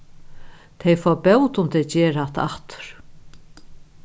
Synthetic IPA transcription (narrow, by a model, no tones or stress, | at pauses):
t̪ʰɛjfɔːpɛwt̪ʊmt̪ʰɛjt͡ɕɛːɾat̪a̰ht̪ʊ̥ɾ̥